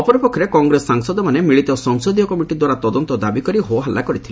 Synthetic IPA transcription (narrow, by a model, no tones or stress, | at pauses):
ɔpɔɾɔpɔkʰːɔɾekɔŋɡɾesːaŋsɔd̪ɔmanemiɭit̪ɔsɔŋsɔd̪ijɔkɔmiʈid̪waɾat̪ɔd̪ɔnt̪ɔd̪abikɔɾiɦoɦalːakɔɾit̪ʰil